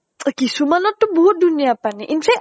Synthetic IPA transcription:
əkisumanɔt̪ubuɦuduniaːpaniʔinsɛ

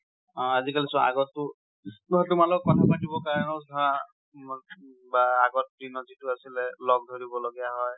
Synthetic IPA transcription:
ɔ̃azikalisɔ̃a̰ɡɔttʊ | ɔtʊmalɔɔkːɔtʰapatibɔkaɹɔnɔzaa | baːɡɔt̚pɹinɔzitʊasilɛlɔɡ̚dʱoɹibɔloɡijaɦɔj

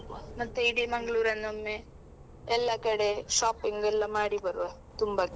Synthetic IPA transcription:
mɐt̪ːejɽimɐŋɡɭuːɾɐnːumːe | elːakːɐɽeʂaːpːiŋɡelːɐmaːɽipɐɾʋɐ | t̪umbɐkː

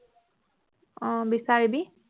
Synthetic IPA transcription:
bisaɾibi

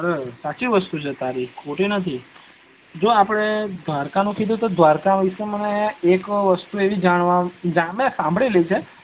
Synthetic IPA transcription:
əɾesat͡ʃiʋəst̪ut͡ʃʰet̪aɾikʰoʈinət̪ʰi | d͡ʒoapəɽ̃ed̪ʋaɾkanũkʰid̪ũt̪od̪ʋaɾkaʋiʃeməneːkʋəst̪ueʋid͡ʒaɽ̃ʋad͡ʒamẽsãmbʱɭilet͡ʃʰe

